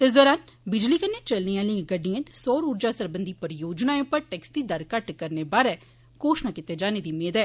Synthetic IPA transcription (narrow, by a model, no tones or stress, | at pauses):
ɪs̬d̪ɔːɾaːnbɪd͡ʒliːkənːeːt͡ʃəlniːaːlĩɡəɖːijãːt̪e̥sɔːɾuːɾd͡ʒaːsəɾbənd̪iːpəɾjoːd͡ʒnaːẽpəɾʈɛːksd̪iːd̪əɾkəʈkəɾneːbaːɾɛː | koːʃnaːkɪt̪eːd͡ʒaːneːd̪iːmeːd̪ɛː